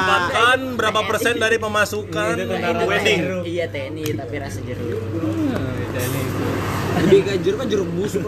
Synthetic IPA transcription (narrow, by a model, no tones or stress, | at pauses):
bakanbəɾapapərsɛndaɾipəmasukaweniijat̪enit̪apiɾasad͡ʒəɾu | t̪ɛnit̪uəbikad͡ʒʊrkad͡ʒəɾək̚bus